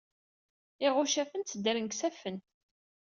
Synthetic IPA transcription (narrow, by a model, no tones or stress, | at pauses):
ɪʁʊʃæfənt̪t͡sːəd̪æɾənksæfənt̪